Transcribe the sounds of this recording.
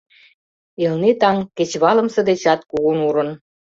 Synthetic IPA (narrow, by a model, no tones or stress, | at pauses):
elnet̪ɑŋket͡ɕβɑlə̆msɤ̆d̪et͡ɕɑt̪̚kuɣunuɾə̆n